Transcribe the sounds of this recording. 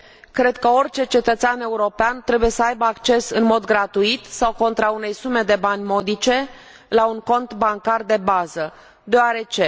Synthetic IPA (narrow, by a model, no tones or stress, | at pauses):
kɾe̞d̪kəo̞rʲt͡ʃe̞t͡ʃe̞t̪ət̪seane̞uɾo̞peant̪ɾe̞buje̞səajbəakt͡ʃe̞sɨnmo̞d̪ɡɾat̪uit̪sawko̞nt̪ɾaune̞jsume̞d̪e̞banʲmo̞d̪it͡ʃe̞ | lauŋko̞nt̪baŋkard̪e̞bazə | d̪eoaɾe̞t͡ʃe̞